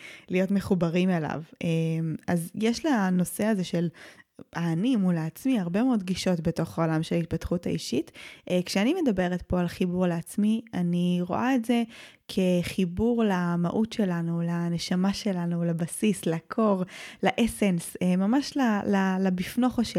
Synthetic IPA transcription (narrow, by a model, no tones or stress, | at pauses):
lijo̞tme̞χubaʁimela̰vemazjeʃlano̞se̞azeʃelaːnimulaːt͡smiaʁbe̞meod̪ɡiʃo̞tbeto̞χaolamʃelit̚patχuta̰iʃitːkʃeanime̞dabe̞ʁet̪po̞alχibuʁleat͡smianiʁo̰ʔaetze̞kʰeχibuʁlama̰ʔutʃe̞lanulaneʃamaʃe̞lanulabasislakʰoʁlaʔesensemamaʃlalalabifno̞χaʃe